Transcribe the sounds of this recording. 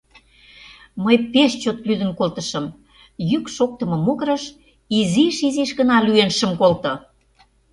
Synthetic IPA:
məjpeʃt͡ɕot̪lyd̪ə̆nkolt̪ə̆ʃə̆m | jykʃok̚t̪ə̆mɤ̆moɣɾə̆ʃ | iziʃiziʃɣə̆nɑlyenʃə̆mkolt̪ɤ̆

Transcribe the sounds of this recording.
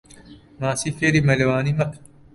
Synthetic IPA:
mãːsiːfeːɾiːmɐlwaːnimɐkʰ

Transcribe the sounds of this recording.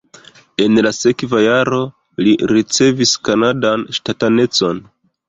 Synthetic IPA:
e̞nlase̞kvajaɾo̞ | liɾit͡se̞viskanadanʃtatane̞t͡so̞n

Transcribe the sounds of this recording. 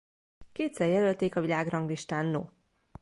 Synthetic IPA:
keːt̪sɛrjɛlølt̪eːkɒvilaːɡrɒŋɡliʃt̪aːnːo̰ː

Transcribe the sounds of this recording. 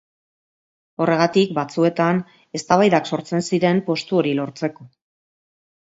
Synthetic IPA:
o̞re̞ɣat̪ikbat͡sue̞t̪an | e̞st̪aβajðakso̞ɾt͡se̞nsiɾe̞mpo̞st̪uo̞ɾilo̞ɾt͡se̞ko̞

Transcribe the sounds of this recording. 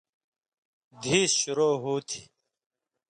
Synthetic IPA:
d̪ʱiːsɕuɾoːɦuːt̪ʰi̥

